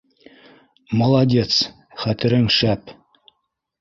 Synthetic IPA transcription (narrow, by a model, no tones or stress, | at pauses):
molˠɑdʲe̞t̪s | χæt̪ɘ̆ɾɘŋʃæp